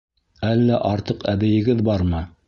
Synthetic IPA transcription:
ælːæʔɑɾt̪ɤqæβɘ̆jɘ̆ɡɘðbɑɾmɤ

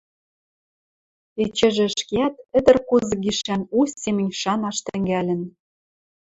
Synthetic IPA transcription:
et͡ɕɘ̆ʒɘ̆ʃkeæt̪ɘ̆d̪ə̆rkozɤ̆ɡiʃænusemɘ̆nʲʃɑnɑʃt̪ɘ̆ŋɡælʲɘ̆n

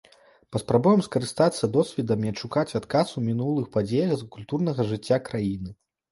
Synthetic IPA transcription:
pɐspɾabujɛmskɐɾɨst̪at̪sːɐd̪ɔsʲvʲɛd̪ɐmʲiɐt͡ʂːukat͡sʲat̪kasumʲinulˠɨxpad͡zʲejɐxzkulʲt̪urnɐɣɐʐɨt͡sʲːakɾajinɨ

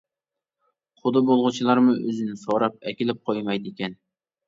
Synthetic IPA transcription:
χʊd̪ɨbolˠʁʊt͡ʃʰilˠɑɾmʊʔøzɪnɪsoɾɑp̚ɛkʲilɪp̚qʰojmɑjd̪ɪkʲɛn

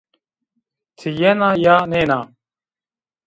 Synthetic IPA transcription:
t̪ʰijɛnaːjaːneːnaː

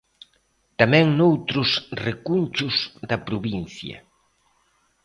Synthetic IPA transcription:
t̪amɛ̃ŋnowt̪ɾʊsrekunʲt͡ʃʊzd̪ɐpɾuβinθjɐ̰

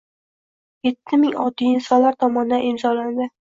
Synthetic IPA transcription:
jet̪ʰːɪmɪŋɒt̪ːiɪnsɒnlaɾt̪ʰɒmɒnɪd̪anɪmzɒland̪ɪ

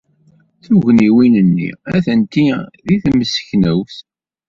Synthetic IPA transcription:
θuʝniwinənːḭæθənt̪iðiθməsə̥çnəwθ

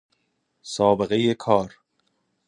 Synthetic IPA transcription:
sɒːbe̞ɣe̞jekʰɒːɾ

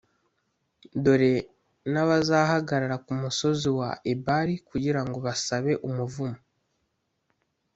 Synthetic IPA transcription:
do̞ɾe̞ | naβazaːhaɡaɾaɾakumuso̞ziwa̰ʔebaɾikuɟiɾaŋɡo̞βasaβe̞ʔumuvumo

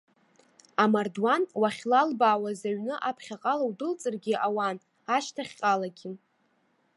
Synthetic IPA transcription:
amardwanwaχʲlalbaːwazaɥnɨʔapʰχʲaqʼalawdɨlt͡sʼɨrɡʲɪʔawan | aʃtʰaχʲqʼalaɡʲɪ

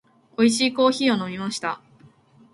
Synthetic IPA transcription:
o̞iɕiːko̞ːçiːo̞no̞mʲimaɕi̥t̪a

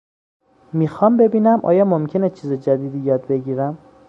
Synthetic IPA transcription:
mixɒːmbe̞biːnæmʔɒ̰ːjɒmomcʰe̞net͡ʃʰiːzed͡ʒæd̪iːd̪ijɒːd̪be̞ɟiːɾæm

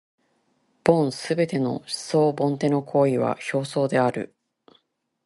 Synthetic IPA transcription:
b̥õ̞ɰ̃sɨbe̞t̪e̞no̞̰ɕi̥so̞ːbõ̞nt̪e̞no̞kʰo̞ːiβa̰ço̞ːso̞ːd̪e̞aɾɯ̟̰

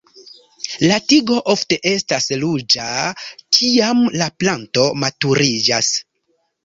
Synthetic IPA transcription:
latiɡo̞ʔo̞fte̞ʔe̞staslud͡ʒakʰiamlaplanto̞matuɾid͡ʒas

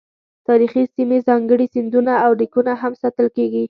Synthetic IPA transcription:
t̪ɑɾixisimezɑŋɡəɽisind̪unaawɽikunaɦamsɑt̪əlkeɡi

